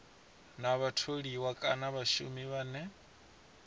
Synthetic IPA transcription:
naβatʰoɺiwakʼanaβaʃṵmiβaːnɛ

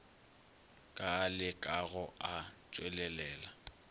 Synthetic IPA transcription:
kʼalɪkʼaɣɔat͡ʃʼwɛlɛlɛːla

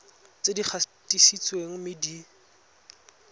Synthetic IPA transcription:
t͡sediχʰatʼisit͡sʼweŋ̩mɪdi

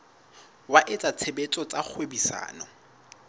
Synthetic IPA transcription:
waʔɪt͡sʼat͡sʰebet͡sʼɔt͡sʼak͡xʰwebisa̰ːnɔ

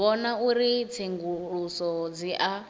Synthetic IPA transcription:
ɔnauɾit͡sʰeŋɡuɺusɔd͡ziʔa

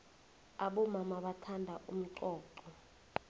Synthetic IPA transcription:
aɓɔmamaɓatʰandʱaʔum̩ǃɔːǃɔ

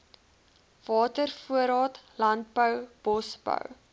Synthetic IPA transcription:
v̥ɑːtərfuəɾɑːtlɐnt̚bəwb̥ɔsb̥ə̰w

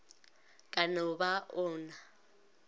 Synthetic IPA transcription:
kʼanɔbaʔɔːna

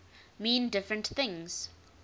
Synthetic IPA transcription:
mĩːndɪfɹə̃ntθɪ̃ŋz̥

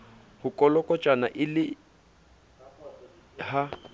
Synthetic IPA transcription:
hʊkʼɔlɔkʼɔt͡ʃʼanaʔɪlɪ | ha

